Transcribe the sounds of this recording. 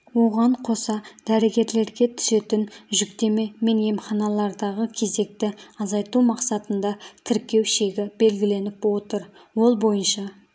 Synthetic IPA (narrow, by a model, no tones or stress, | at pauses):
wo̞ʁɑɴqʰo̞sɑd̪̥æɾeɡʲe̞ɾle̞ɾɡʲe̞t̪ʰʏ̥se̞t̪ɪnʒʏkt̪e̞me̞me̞nje̞mχɑnɑlˠɑɾd̪ɑʁəkʲʰe̞ze̞k̚t̪ɪɑzɑjt̪umɑqsɑt̪ənd̪ɑt̪ʰɪɾkʲe̞wʃe̞ɡʲɪbe̞lɡʲɪle̞nɪpwo̞t̪əɾ | wo̞lˠbo̞jənʃɑ